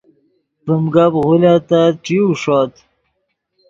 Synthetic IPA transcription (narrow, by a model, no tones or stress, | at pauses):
pəmɡabɣulat̪aʈ͡ʂiuʂɔːt̪